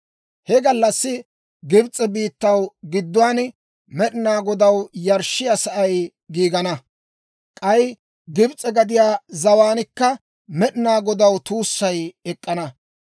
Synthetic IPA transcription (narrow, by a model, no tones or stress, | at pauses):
hɛɡɐlːɐsːɪ | ɡɪbt͡sʼːɛbiːt̪ːɐwɡɪd̪ːʊwaːn | mɛɗɪnaːɡɔd̪ɐwjɐɾʃːɪjɐsɐʔɐj | ɡiːɡɐnɐ | kʼɐj | ɡɪbt͡sʼɛɡɐd̪ɪjaːzɐwaːnɪkːɐ | mɛɗɪnaːɡɔd̪ɐwt̪uːsːɐjɛkʼːɐnɐ